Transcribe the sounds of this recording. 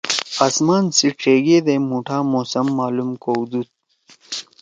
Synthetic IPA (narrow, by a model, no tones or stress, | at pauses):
asmaːnsiʈ͡ʂeːɡeːd̪emuʈʰaːmoːsɐmːaːlumkoːwd̪ut̪̚